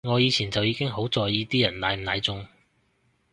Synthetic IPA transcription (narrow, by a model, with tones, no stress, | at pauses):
ŋɔː˨˧jiː˨˧t͡sʰiː˨˩nt͡sɐ˨wjiː˨˧kɪ˥ŋɦo˨˥wt͡sɔː˨˧jjiː˨˧t̪iː˥jɐ˨˩nlaː˨˧jm̩˨˩naː˨˧jt͡sʊ˧ŋ